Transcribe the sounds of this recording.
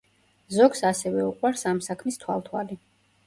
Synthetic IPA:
zɔɡsasɛvɛuqʼwaɾsamsakʰmist̪ʰwa̰lˠt̪ʰwa̰li

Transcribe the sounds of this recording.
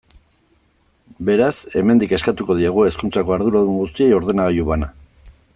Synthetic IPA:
be̞ɾase̞me̞nd̪ike̞skat̪uko̞ðiaɣ̞ue̞skunt͡sako̞aɾðuɾaðuŋɡust̪ie̞jo̞ɾðe̞naɣajuβana

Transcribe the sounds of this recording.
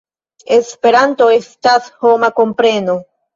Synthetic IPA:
e̞spe̞ɾanto̞e̞stasho̞mako̞mpɾe̞no̞

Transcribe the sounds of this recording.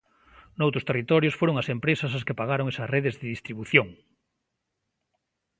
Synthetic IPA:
nowt̪ɾʊ̥st̪erit̪ɔɾjʊsfoɾoŋɐsempɾesɐsaskepaɣaɾoŋesɐsreðezðɪðist̪ɾiβuθjoŋ

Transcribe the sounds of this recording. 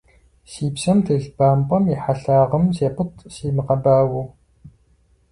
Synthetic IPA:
siːpsɐmtʰeɮbaːmpʼɐmiħaɬaːʁɐmseːpɨtʰsiːmɨqɐbaːwuw

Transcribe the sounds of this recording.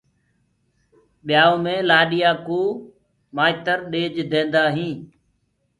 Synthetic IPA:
ɓɪjaːõːmẽːlaːɗɪjaːkoː | maːɪt̪əɾɗeːd͡ʒd̪ẽːnd̪aːɦĩː

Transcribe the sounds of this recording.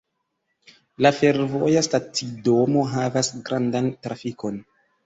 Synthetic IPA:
lafe̞ɾvo̞̰jastatido̞mo̞ɦavasɡɾʔandantɾafiko̞n

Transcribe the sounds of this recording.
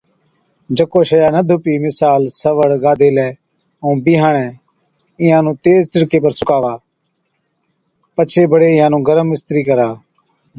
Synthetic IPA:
d͡ʒəkoːʃəjaːnəd̪ʱʊpiːmɪsaːlsəʋəɽɡaːd̪ʱeːlɛː | õːbiːɦãːɳɛ̃ː | ɪjãːnũːt̪eːztəɽkeːpəɾsʊkaːʋaː | pət͡ʃʰeːbəɽeːɪjãːnũːɡəɾəmːɪst̪ɾiːkəɾaː

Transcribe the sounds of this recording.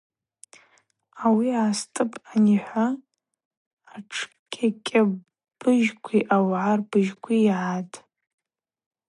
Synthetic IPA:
awiaːstʼɨpʼaniħʷa | ʈ͡ʂʰ | kʲʼakʲʼa | b̥ɨʒkʷʰiʔawʕarbɨʒkʷʰiʕatʼ

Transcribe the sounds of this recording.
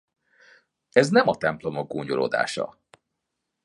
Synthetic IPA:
ɛznɛmɒt̪ɛmplo̞moɡ̚ɡoːɲolo̰ːd̪a̰ːʃɒ̰

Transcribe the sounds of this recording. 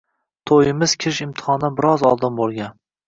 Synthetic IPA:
t̪ʰojɪmɪz̥kʲʰɪɾɪʃɪmt̪ʰɨ̥hɒnabɪɾɒzɒlˠd̪ɪnbolˠɡʲan

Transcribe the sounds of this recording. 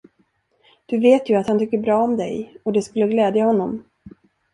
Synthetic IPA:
d̪̥ɵveːt̪jɵat̪hant̪ʰʏkːəbɾɑːɔmd̪ɛ̰jɔd̪ɛskɵlːəɡlɛːd̪jahɔnːɔm

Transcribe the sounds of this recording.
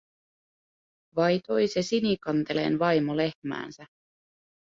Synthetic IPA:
ʋɑjt̪o̞jsesinikɑnt̪e̞le̞̰ːnʋɑjmole̞hmæ̰ːnsæ

